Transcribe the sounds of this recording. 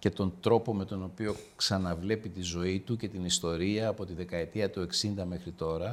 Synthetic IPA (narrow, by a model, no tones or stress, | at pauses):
ce̞t̪o̞nd̪ɾo̞po̞me̞t̪o̞no̞pio̞ksɐnɐvle̞pit̪izo̞it̪uce̞t̪inist̪o̞ɾiɐːpo̞t̪iðe̞kɐe̞t̪iɐt̪ue̞ksind̪ɐme̞xɾit̪o̞ɾɐ